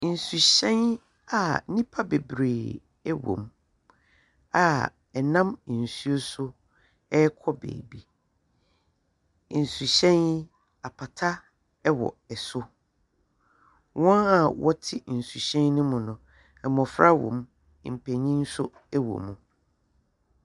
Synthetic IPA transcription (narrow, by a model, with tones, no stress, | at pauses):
n̩˨su˨ɕɛ̃˦n | a˨˦nĩ˦pʰa˦be˨bɾeː˨ | ɛ˦wõ̰˨m | a˨ | ɛ˨nã˦m˨n̩˨su˦o˦sʊ˦ | ɛ˦kʰɔ˦bḛ˨bi˦˨ | n̩˨su˨ɕɛ̃˦n˦ | a˨pʰa˨tʰa˦ | ɛ˦wɔ̰˨ɛ˨sʊ˦ | wɔ̃˦na˨wɔ˦tʰɪ˦n̩˨su˨ɕɛ̃˦nnʊ̃˦mʊ̃˨nʊ̃˨ | ɛ˨m˨ɔ̃˨fɾa˦wɔ̰̃˨m˦ | m̩˨pʰɛ˨ɲĩ˦n̩˦sʊ˦ | ɛ˦wo̰˨mũ˨